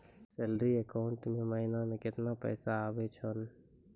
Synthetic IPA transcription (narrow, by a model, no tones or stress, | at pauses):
selɾiekaʊɳʈmẽməɦinamẽkɪt̪napɛ̰ːsaːʋet͡ʃʰən